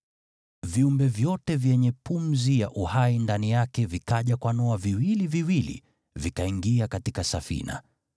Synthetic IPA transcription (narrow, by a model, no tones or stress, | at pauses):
viumbɛvjɔtɛvjɛɲɛpumzijaʔuhaindanijakɛvikaʄakwanɔaviwiliviwilḭ | vikaiŋɡiakatikasafḭna̰